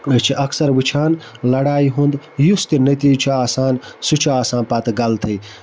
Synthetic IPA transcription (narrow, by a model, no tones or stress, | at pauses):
t͡ʃʰiʔɐksɐɾʋɨt͡ʃʰaːnlɐɽaːiɦũnd̪just̪inɐt̪iːt͡ʃʰiaːsaːnsut͡ʃʰiaːsãːnpɐt̪ɡɐlt̪ʰɐj